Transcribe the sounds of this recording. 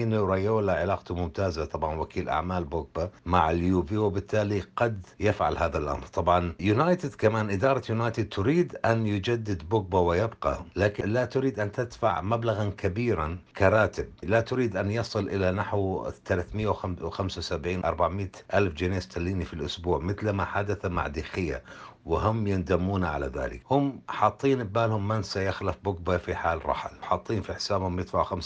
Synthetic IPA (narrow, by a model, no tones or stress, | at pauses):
iːnɾˤajoːlaʕɪlaːqt̪umʊmt̪aːzat̪ˤɑbʕɑnwakʰiːlʔa̰ʕmaːlbʊɡ̚bamaʕɪljuːviwɪbɪt̪ʰːaːliqɑd̪jafʕa̰lhaːðalʔɑ̰mɾt̪ˤɑbʕɑnjʊnaːjt̪ɪd̪kamaːnʔɪd̪ɑːɾˤɑjʊnaːjt̪ɪd̪̚t̪ʊɾiːd̪ʔanjʊd͡ʒad̪ːɪd̪bʊɡ̚bawɪjɪbqɑ̰laːkɪlat̪ʊɾiːd̪ʔant̪ɪd̪fa̰ʕmablaɣankabiːɾankʰaɾˤɑːt̪ɪb̚lat̪ʊɾiːd̪ʔanjɑsˤɨlʔɪlanaħwt̪alaθmɪjːawwxamsawsabʕiːnʔɑ̰ɾˤbaʕmɪʔalfd͡ʒɪneːst̪alːiːnifilʔʊsbuːʕmɪθlmaħad̪aθama̰ʕd̪ixɪjːa̰wɪɦʊmːjɪnd̪amːuːnaʕa̰laða̰ːlɪ̰khʊmħɑt̪ˤːiːnɪbːaːlhʊmːɪnsajaxlafbʊɡ̚bafiħaːlɾˤɑ̰ħlħɑt̪ˤːiːnfiħsaːbhʊmjɪdt̪faʕwxams